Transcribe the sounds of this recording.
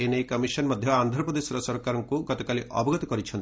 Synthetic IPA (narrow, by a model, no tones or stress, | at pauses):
enejkɐmisɔnmɔd̪ʱjɔand̪ʱɾɔpɾɔd̪esɔɾɔsɔɾkaɾɔŋkuɡɔt̪ɔkaliʔʔɔ̰bɔɡɔt̪ɔkɔɾit͡ʃʰɔnt̪